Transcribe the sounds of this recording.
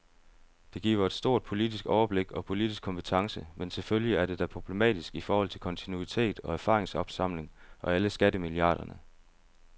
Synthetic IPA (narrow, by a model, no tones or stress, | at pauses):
d̥e̝ɡ̥ḭːʊɐe̝d̥sd̥o̝ɐ̰d̥̚pʰo̝lid̥isɡ̥ɒʊɐb̥le̝ɡ̥ɒ̽pʰo̝lid̥isɡ̥̚ʰɒ̽mpʰe̥t͡sʰɑ̈ŋsəmensʰe̝lføljiæɐɾe̝d̥æpʰʁo̝b̥le̝mɛ̰ːd̥isɡ̥ifɒːhɒ̽l̰t͡sʰelkʰɒ̽nt͡sʰinuit͡sʰe̝̰ːd̥ɒ̽æɐfɑ̈ːʁeŋsɒ̽b̥sɑ̈m̰le̝ŋʔɒ̽æləsɡ̥ædəmiliɑ̰̈ːɾ̥ɐnə